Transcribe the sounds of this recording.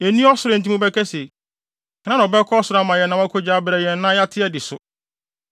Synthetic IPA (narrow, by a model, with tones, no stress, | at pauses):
e˨nĩ˦ɔ˦sʊ˨ɾɪ˨n̩˨t̬ĩ˦ʊ̃˦bɛ˦kɛ˦se˨ | kʰnã˦ñ˨bɛ˦kʰɔ˦sʊ˨ɾa˦mã˨jɛ˨nã˨˦a˦kʰo˦d͡ʑaː˨˦bɾɛ˨jɛː˨˦ã˦ja˦tʰɪ˦ɛ˦dɪ˨sʊ˨